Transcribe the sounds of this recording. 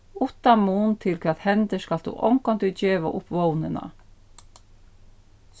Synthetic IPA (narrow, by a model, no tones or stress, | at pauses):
ʊt̪ɑmuːnt̪ʰɪlkʰʋɛt̪hɛnd̪əskɑld̪ṵːʔɔŋkɔnt̪ʉːd͡ʒeːʋɑ̰ʔʊpʋownənɑ̰